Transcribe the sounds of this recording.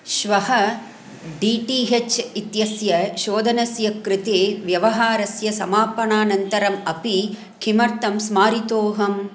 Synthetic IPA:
ʃʋɐɦɐ | ɖiːʈiːɦet͡ʃit̪jɐsjɐʃoːd̪ʱɐnɐsjɐkɾɪt̪eːʋjɐʋɐɦaːɾɐsjɐsɐmaːpɐɳaːnɐnt̪ɐɾɐmɐpi | kʰimɐɾt̪ɐmsmaːɾit̪oːɦɐm

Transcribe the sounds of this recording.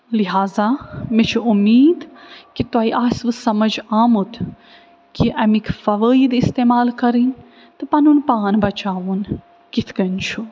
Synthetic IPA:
liɦaːzamet͡ʃʰuumiːd̪kit̪waːiʔaːsʋɨsɐmɐd͡ʒaːmut̪ | kiʔɐmikʰfɐʋəːid̪ist̪eːmaːlkɐɾin | t̪ɨpɐnunpaːnbɐt͡ʃaːʋun | kit̪ʰkɐnt͡ʃʰu

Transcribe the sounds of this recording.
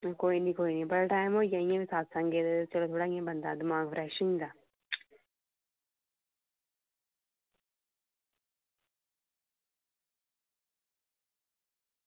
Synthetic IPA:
koːinĩkoːinĩbɐɾʈaːɪmoːijãĩjẽmĩsaːt̪sãːŋɡet̪t͡ʃɐlot̪ʰoːɽaːĩẽbɐ̃nd̪aːd̪ɪmaːɡfɾɛːʃɪ̃ŋɡd̪aː

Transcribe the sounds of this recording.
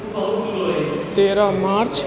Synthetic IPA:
ot̪eːɾamaːɾt͡ʃ

